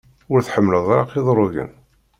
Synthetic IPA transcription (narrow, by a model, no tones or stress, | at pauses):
ʊɾθħəmːləðˤɾˤɑ̰qiðˤɾˤoʝə̰n